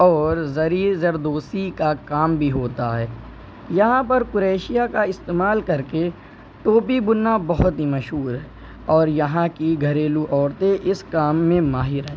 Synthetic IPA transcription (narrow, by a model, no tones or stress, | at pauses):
ɔːɾzɐɾiːzɐɾd̪oːsikakaːmbʱiɦoːt̪aɦɛː | jɐɦãpɐɾkʊɾeːʃijakaɪst̪eːmaːlkɐɾke | ʈoːpibʊnːabɐɦʊt̪ɦimɐʃɦuːɾɦɛː | ɔːɾjɐɦãkiɡʱɐɾeːluʔɔːɾt̪eʔɪskaːmːẽmaːɦɪɾɐɦ